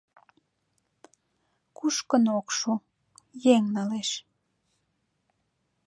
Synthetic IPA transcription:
kuʃkənokʃu | jeŋnɑleʃ

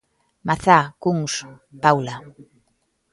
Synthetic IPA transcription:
maθakuŋs | pawla

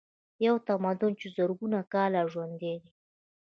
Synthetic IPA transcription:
jawt̪amad̪ʊnt͡ʃezəɾɡunakɑlaʒwand̪ed̪i

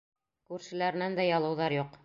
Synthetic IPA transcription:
kʉɾʃɘ̆læɾɘ̆nænd̪æjɑlˠɤ̆wðɑɾjuq

